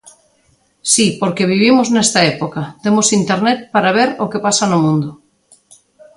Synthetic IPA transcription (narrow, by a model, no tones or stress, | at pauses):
sipoɾkeβ̞iβ̞imoznest̪aepokat̪emosint̪eɾnɛt̪̚paɾaβ̞eɾokepasanomũnd̪o